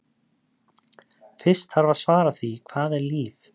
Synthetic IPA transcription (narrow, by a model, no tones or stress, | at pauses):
fɪ̥st̪haɾvasvaːɾaθvikʰvaːðɛɾliːv